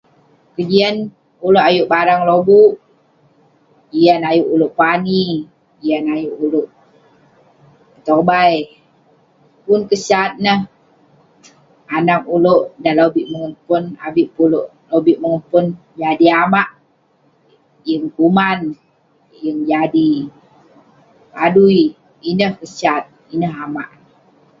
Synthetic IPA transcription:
kəd͡ʒiən | uloʔajuʔbaɾaŋlobuʔ | ijanajuʔuloʔpani | ijanajuʔuloʔ | t̪obaj | punkəsat̪̚nəh | anakuloʔdalobiʔməŋəmpʊnabiʔpuloʔ | lobiʔməŋəmpʊn | d͡ʒadiamaʔ | jəŋkuman | jəŋd͡ʒadi | padui | inəhkəsat̪̚ | inəɦama̰ʔ

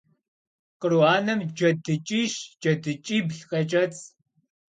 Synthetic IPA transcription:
qəruaːnɐmd͡ʒɐdɨt͡ʃʼiʃd͡ʒɐdɨt͡ʃʼiːbɬqɐt͡ʃʼɐt͡sʰʼ

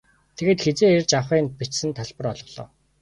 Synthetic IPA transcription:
t̪ʰeɣeːt̪xet͡seːert͡ɕawχiːnpit͡ɕsɘ̆nt̪ʰaɮpə̆rɔɮɞ̆ɮɔ̰ː

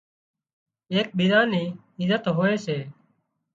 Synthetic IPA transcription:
eːk̚ɓid̪aːniː | ɪzət̪ɦoːeːseː

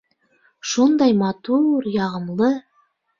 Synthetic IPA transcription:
ʃund̪ɑjmɑt̪uɾjɑʁə̆mlˠɤ

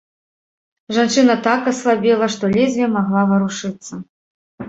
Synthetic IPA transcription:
ʐant͡ʂɨnɐt̪akɐslˠabʲilˠɐʂt̪ɔlʲɛzʲvʲimaɣlˠavɐɾuʂɨt̪sːɐ

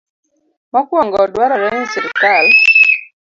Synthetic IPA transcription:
mɔkwɔŋɡɔdwaɾɔɾɛɲsiɾkal

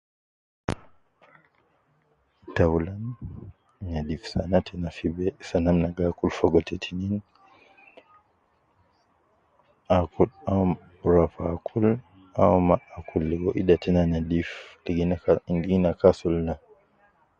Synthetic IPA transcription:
tawlan | ɲadifsanatʰɛnafibɛsanamnaɡakulfɔɡɔtʰɛtʰinin | ʔakuam | ɾafakʰul | amaakulːɛɡɔʔiɗatɛnanadiflɛɡinɡinakasulna

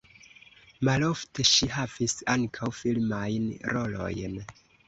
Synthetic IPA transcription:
malo̞fte̞ʃiɦavisaŋkʰawfilmajnɾo̞lo̞̰jn

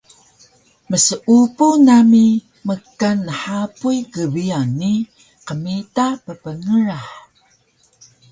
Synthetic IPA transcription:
məsəʔupunami | məkːanːəħapujɡəvianːi | qəmitapəpəŋəɾaħ

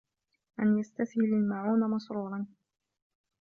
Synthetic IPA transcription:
ʔanjast̪aθhɪlalmaʕuːnamɑsɾuːɾˤɑn

